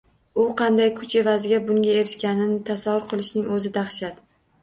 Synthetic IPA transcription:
ʊqʰɑnd̪ajkʰʊt͡ʃʰe̞vazɪɡʲabʊŋɡʲae̞ɾɪʃkʲanɪnɪt̪ʰasavːʊɾqʰɨlˠɪʃnɪŋɵzɪd̪aχʃat̪

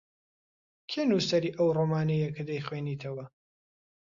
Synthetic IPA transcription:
kʲʰenusɐɾiːʔɐwroːmaːnejɐkɨd̪ɐjχweniːt̪ʰɐwɐ

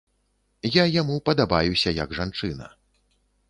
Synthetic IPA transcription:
jajamupɐd̪abajusʲɐjɐɡʐant͡ʂɨnɐ̰

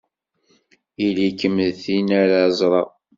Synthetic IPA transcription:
ilikːəmːəlθinaɾazˤɾˤɑ

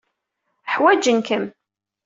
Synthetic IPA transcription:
ħwæd͡ʒənkəm

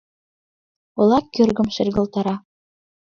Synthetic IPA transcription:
ŏlˠɑkʲːøɾɡɘ̆mʃɘ̆rɡɤ̆lˠt̪ɑɾɑ

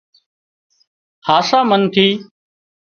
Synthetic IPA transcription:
haːsaːmənt̪ʰiː

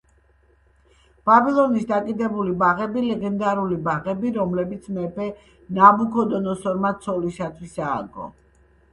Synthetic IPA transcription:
b̥abilˠɔnisd̪akʼid̪ɛbulibaʁɛbilɛɡɛnd̪aɾulibaʁɛbiɾɔmlɛbit̪sʰmɛpʰɛ | nabukʰɔd̪ɔnɔsɔɾmat̪sʰɔliʃat̪ʰwisa̰ːɡɔ̰

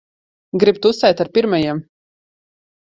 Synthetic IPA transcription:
ɡɾib̚t̪usɛjt̪aɾpiɾmajiɛm

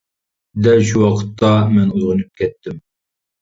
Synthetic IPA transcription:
d̪ɛlʃuwɑqʰə̥t̪ʰːɑmɛnujʁʊnɨp̚kʲʰɛt̪ʰːɪm

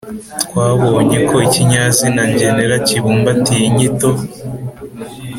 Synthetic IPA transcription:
tkwaːβo̞ɲeko̞iciɲazinaɲɟeneɾaciβuːmbatijiɲito

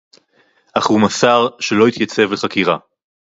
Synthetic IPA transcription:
ʔaχhumasaʁʃelo̞it̪jat͡se̞vleχakiʁa

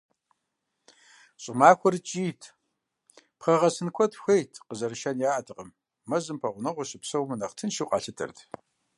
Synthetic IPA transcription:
ɕʼɪmaːxʷɔrt͡ʃʼiːtʰ | pχɐʁɐsɨnkʷʰɔtxʷejtʰqəzɐɾɨʃɐnjaːʔɐtʰɨqʼɐmː | ɐzɨmpʰɐʁʷʊnɐʁʷɔɕɪpsɐwmɨnɐqtʰɨnʃiwqʼɑ̰ːɬɨtʰɨ̰rtʰ

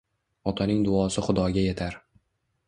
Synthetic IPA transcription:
ɒt̪ʰanɪŋd̪ʊɒsɪχʊd̪ɒɡʲaje̞t̪ʰaɾ

